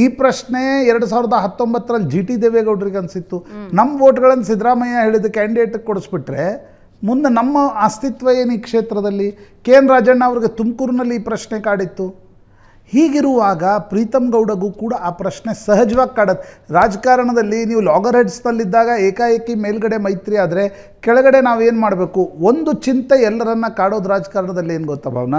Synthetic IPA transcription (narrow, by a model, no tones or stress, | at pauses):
iːpɾɐʂɳe̞ɛɾɐɽus̬aːʋiɾɐd̪ɐɦɐt̪ːo̞mbɐt̪ːɐɾɐlːid͡ʒiːʈid̪eːʋeːɡɐwɖɐɾiɡeɐnsit̪ːunɐmːɐʋoːʈɡɐɭɐnːɐsid̪ɾaːmɐjaɦe̞ːɭid̪ukaːɳɖieːʈɡekoɽusbiʈɾe̞ | mund̪enɐmːɐɐst̪it̪ʋɐjeːnuiːkʂeːt̪ɾɐd̪ɐlːikeːnɾaːd͡ʒɐɳːaːʋɐɾiɡe̞t̪umkuːɾunɐlːiiːpɾɐʃɳekaːɽit̪ːu | hiːɡiɾuʋaːɡɐpɾiːt̪ɐmɡɐwɽɐɡuːkuːɽɐʔaːpɾɐʃne̞sɐɦɐd͡ʒʋaːɡ̚kaːɽɐd̪eɾaːd͡ʒɐkaːɾɐɳɐd̪ɐlːiniːʋulɔːɡɐɾɦeɖsnɐlːid̪ːaːɡɐeːkaːjɐkːimeːlɡɐɽe̞mɐjt̪ɾiaːd̪ɐɾe̞ | kɛɭɐɡɐɽe̞naːʋe̞ːnmaːɽbe̞ːkuond̪ut͡ʃint̪eɛlːɐɾɐnːɐkaːɽo̞ːd̪uɾaːd͡ʒɐkaːɾɐɳɐd̪ɐlːie̞ːnuɡɔt̪ːɐbʱa̰ːʋɐnɐ